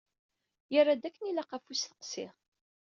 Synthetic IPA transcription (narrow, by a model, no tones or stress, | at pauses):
jərːad̪ækːənilaqafusθə̥qsɪ̰ʁ